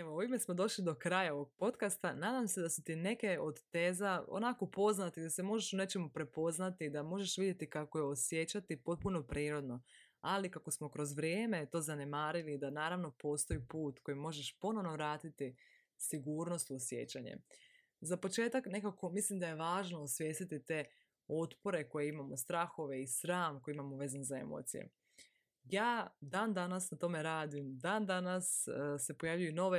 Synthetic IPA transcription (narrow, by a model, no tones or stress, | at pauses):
eʋouime̞smo̞d̪o̞ʃlid̪o̞kɾajao̞ʋoɡ̚po̞t̪kast̪anaːd̪amse̞d̪asu̥t̪ine̞ke̞o̞d̪t̪eːzao̰nakopo̞znat̪aid̪ase̞mo̞ʒeʃune̞t͡ʃe̞mupɾe̞po̞znat̪id̪amo̞ʒe̞ʃʋid̪ʲje̞t̪ikako̞jeosjet͡ɕat̪ipo̞t̪̚puno̞pɾiːɾo̞d̪no̞ | alikako̞smo̞kɾo̞zʋɾjeːme̞t̪o̞ːzane̞maːɾilid̪anaːɾaʋno̞po̞ːst̪o̞ipuːt̪ko̞jimːo̞ʒeʃpo̞no̞ʋnoʋɾaːt̪it̪i | siɡuːɾno̞st̪uosje̞̰t͡ɕaɲḛ | zapo̞t͡ʃe̞ːt̪akne̞kako̞mislimd̪aje̞ʋaːʒnoosʋje̞ːst̪it̪it̪e̞ | o̞t̪po̞ɾe̞ko̞jeimamo̞st̪ɾaxo̞ʋe̞isɾaːmko̞jimamoʋe̞zanzae̞̰mo̰t̪sḭjḛ | jaːd̪aːnd̪anasnat̪o̞me̞ɾaːd̪imd̪aːnd̪anasse̞po̞jaʋʎujuno̞ʋe